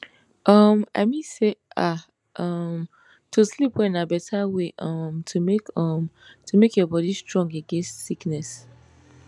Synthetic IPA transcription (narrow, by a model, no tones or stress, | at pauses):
ʔʌma̰ɪmĩnseʔa | ʌm | tʰuslipwɛĩnabɛtʰaweʔʌmtʰumekɔmtʰumekjɔbɔdistɹɔ̃ŋɡeɡɛ̃nstsiknɛs